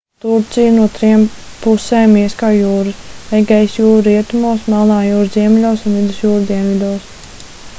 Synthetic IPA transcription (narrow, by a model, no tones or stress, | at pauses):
t̪uɾt̪sijnut̪ɾimpuseːmːiɛskaːjuːɾɨsɛjɡɛjsjuːɾuɾiɛt̪umuɔsmɛlˠnaːjuːɾziɛmʲlʲoːsunvid̪usjuːɾd̪iɛnvʲid̪uːs